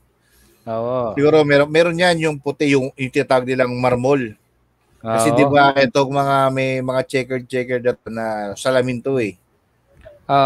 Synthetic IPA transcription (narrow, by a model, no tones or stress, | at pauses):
oʔosɪɡuːɾo̞mɛɾomɛːɾonjanjʊŋpʊt̪ɪjʊŋjʊŋt̪it̪aɡ̚nɪlaŋmɐɾmol | kɐsɛd̪ɪbaʔɛt̪oŋmɐŋamɛjmɐŋat͡ʃɛkɛt͡ʃɛkɛɹd̪ɐt̪̚onɐsɐlɐmɪnt̪oɛ | ʔo